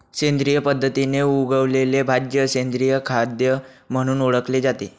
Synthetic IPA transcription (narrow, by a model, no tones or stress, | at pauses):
ɕend̪ɾijəpəd̪ʱːət̪ineuɡəʋlelebʱad͡ʑjəɕend̪ɾijəkʰad̪jəm̤əɽ̃uːnoɽəkled͡zat̪e